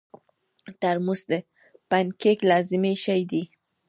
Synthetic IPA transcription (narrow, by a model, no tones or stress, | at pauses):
t̪aɾmusd̪e | pankeklɑzɪmeʃajd̪i